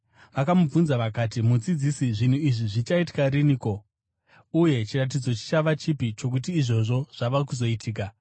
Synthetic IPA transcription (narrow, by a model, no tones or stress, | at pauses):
ʋakamub͡vunzaʋakat̬imud͡zid͡zisiʐin̤uiʐiʐit͡ʃaiti̥kaɾiniko̞ | uje̞t͡ʃirat̬id͡zo̞t͡ʃi̥t͡ʃaʋat͡ʃipit͡ʃo̞k̬ut̬iːʐo̞ʐo̞ʐ̥aʋakuzo̞itʰiːk̬a